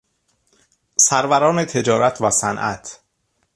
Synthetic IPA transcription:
sæɾvæɾɒːne̞t̪ʰe̞d͡ʒɒːɾæt̪ʰvæsænʔæ̰t̪ʰ

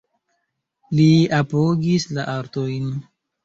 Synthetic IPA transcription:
liapoɡislaʔaɾtojn

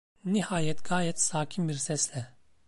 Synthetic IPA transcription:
nihaːjɛt̪ɡaːjɛt̪saːcʰimbiɾsɛslɛ

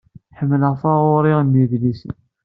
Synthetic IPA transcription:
ħəmːələʁfaʁʊɾiʁnːiðlisən

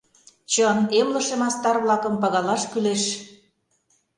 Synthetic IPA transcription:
t͡ɕənemlɤ̆ʃemɑst̪ɑrβlɑkɤ̆mpɑɣɑlɑʃkyleʃ

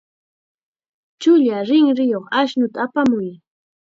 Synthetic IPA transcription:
t͡ʃʊʎaɾɪŋɾɪjoχaʃnʊt̪aːpamʊj

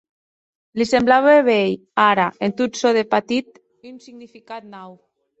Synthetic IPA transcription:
lisemblaβeβej | aɾaent̪ut̪soðepat̪it̪ | unsiɣnifikat̪̚naw

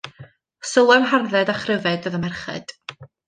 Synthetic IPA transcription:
səlˠɛmɦarðɛdaχrɪvɛdəðəmɛrχɛ̰d̥

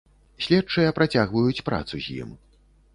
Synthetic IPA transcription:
sʲlʲɛtt͡ʂɨjɐpɾat͡sʲaɣvɐjut͡sʲpɾa̰t̪suzʲjḭm

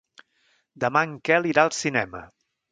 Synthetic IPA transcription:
d̪əmaŋkɛliɾaəlˠsinɛmə̰

